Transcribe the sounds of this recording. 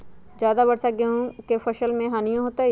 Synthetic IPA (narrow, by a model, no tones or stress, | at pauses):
d͡ʒjaːd̪abɐɽsaɡeɦũkefʰɐʃəlmẽɦaːnijõɦoːt̪ai